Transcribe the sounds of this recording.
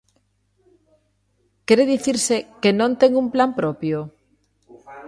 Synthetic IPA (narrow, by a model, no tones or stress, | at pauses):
keɾeðiθiɾsekenõnt̪eŋumplampɾopjo